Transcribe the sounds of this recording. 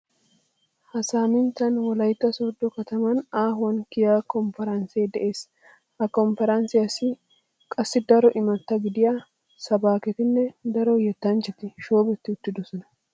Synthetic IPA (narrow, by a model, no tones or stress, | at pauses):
hɐsaːmɪnt̪ːɐnwɔlɐjt̪ːɐsoːd̪ːɔkɐt̪ɐmɐnaːɦʊwɐnkɪjakɔmfɛɾɐnsejd̪ɛʔe̞ːs | hɐkɔmfɛɾɐnsɪjɐsɪ | kʼɐsːɪd̪ɐɾɔʔɪmɐt̪ːɐɡɪd̪ɪjaː | sɐbaːkɛt̪ɪnːɛd̪ɐɾɔjɛt̪ːɐnt͡ʃːɛt̪ɪʃoːbɛt̪ːɪʊt̪ːɪd̪ɔsɔnɐ